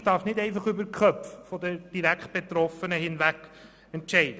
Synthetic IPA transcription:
d̥ɑɾfnɪdɛɪfɑχʏbəɾkχœpffɔd̪əd̥iɾækχt̚b̥et̪ɾɔfənəhɪnvækː | ɛntʃɛɪd̥ə

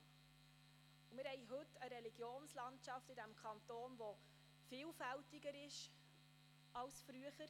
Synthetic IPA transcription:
umɪɾhɛjɦɵtːəɾɛliɡ̥joːnslɑntt͡ʃɑftɪdæmkʰχɑnt̪oːnʋo | fɪːlfæltɪɡəɾɪʃ | ɑlsfɾyəχəɾ

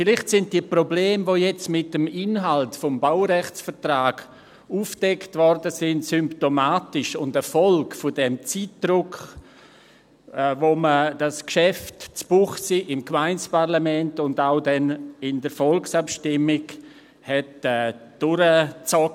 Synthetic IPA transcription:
fɪlɪχtsɪnt̚d̥iəpɾobleːmvoːjɛt͡smɪt̚dəmɪnɦaltfɔmbaʊɾɛχt͡sfəɾtraːɡ | uːfd̥ɛktvɔɾdəsɪntsʏmptomaːtɪʃʊndəfɔlkfʊdɛmt͡siːt̚d̥rʊk | ɛvoməd̥askʃɛftt͡sb̥uχsiːʔɪmkmaɪnt͡spaɾlamɛntʊndaʊdɛnɪndəɾfɔlksapʃtɪmɪɡ | hɛtɛːd̥ʊɾət͡sɔ

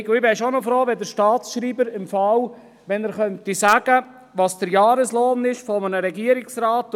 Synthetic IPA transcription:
ɡɪbɛʃonɔfɾoːʋɛdəɾʃtɑːtsʃɾiːbəɾɪmfɑw | ʋɛnəɾχœntisæɡ̥ə | ʋɑsd̥əɾjɑːɾəsloːnɪʃfɔmənəɾɛɡiəɾɪksɾaːt

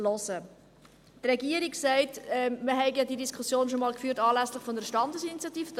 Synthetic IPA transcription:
lɔsə | trɛɡiəɾiksɛɪtɛməɦɛɪɡjɑdidiskʰusjoːnʃomɑːlkfyːtɑːlæslɪχfɔnəɾəʃtɑndəsinit͡sjɑtiːfəd

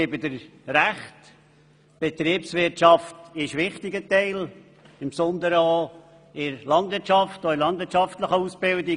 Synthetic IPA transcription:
ɪbədəɾɾæχt | b̥ɛtɾiːpsvɪɾʃɑftɪʃʋɪχtɪɡətɛɪl | ɪmpsɔnd̪əɾəo | ɪɾlɑndʋɪtt͡ʃɑftɔɪlɑnd̪vɪɾt͡ʃɑftləχəusb̥ɪldɪ

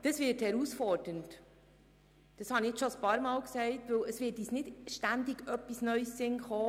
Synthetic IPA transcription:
d̥əsvɪːthɛɾusfɔɾd̥ənt | d̥ɑshɑniɪʃoəspɑːɾmɑːlksɛɪtʋɵwləsʋɪːtiːsnɪdʃtændiɡ̥œpːisnœʏsːɪnχɔː

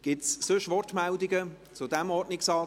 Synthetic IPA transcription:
ɡ̥ɪtssʏʃʋɔrtmældɪɡə | t͡sʊd̪ɛmɔdnɪksɑː

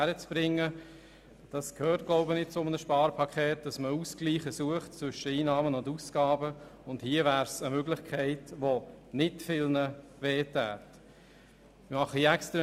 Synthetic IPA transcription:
æɾət͡sb̥ɾɪŋːə | d̥ɑskʰhøːɾt̚ɡ̥lɔʊbənɪt̚t͡sʊmənəʃpɑːɾpʰɑkʰχeːt̚d̥ɑsməuskliːχəsuəχt̚t͡sʋʏʃəiːnɑːmənʊndusɡ̥ɑːbəʊndhiəvæːɾsəmøɡlɪχkʰɛɪtʋonɪtfɪlnəʋeːtæːt | ɪmɑχəɛkstɾə

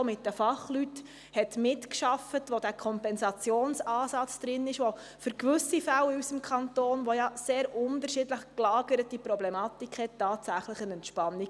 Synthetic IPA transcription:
mɪt̚d̥əfɑχlyt | hɛtmɪtkʃɑfətʋodæːkʰɔmpɛnsɑt͡sjoːnsɑːsɑt͡sd̪̥ɾɪnɪʃʋo | fʏɾkʋʏsifælysəmkʰɑntoːnʋojɑseːɾʊntəɾʃɪdləχklɑːɡəɾətipɾɔblɛmɑːtikhɛttːɑːtsæχləχənɛntʃpɑnːi

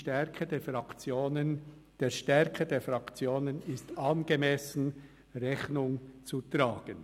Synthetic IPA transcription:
ʃtɛkʰədeːfɾɑkt͡sjoːnən | d̥eːʃtɛɾkʰədeːɐfʁɑkt͡sjoːnənɪstʔɑnɡemɛsn̩ | rɛçnʊŋt͡sutɾaːɡ̥ən

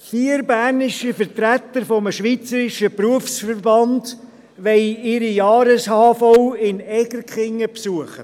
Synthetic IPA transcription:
fiːɾbæːrnɪʃifəɾt̪ɾæt̪ːəɾfɔməʃʋiːt͡səɾɪʃəpruəfsfəɾbɑnd | ʋɛɪɪɾijɑːɾəshɑːfowɪnɛɡ̥əɾkχɪŋːəpsuəχə

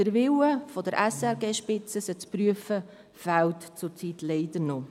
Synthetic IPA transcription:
əɾʋɪwəfɔd̪əɾʔæsɛɾɡeːʃpɪt͡səsət͡spɾyəfə | fæwtt͡sʊɾt͡sitlɛɪd̪əɾno

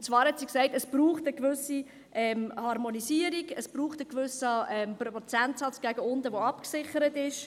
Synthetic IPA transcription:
t͡svɑːɾhɛtsiksɛɪtəsb̥ɾuːχtəkvʏsi | ʔɛmhɑɾmonisiəɾiɡəsb̥ɾuːχtəkvʏsəɛmpɾɔɔt͡sæntsɑt͡sɡ̥æɡəʊndəvʋoɑpksɪχəɾətɪʃ

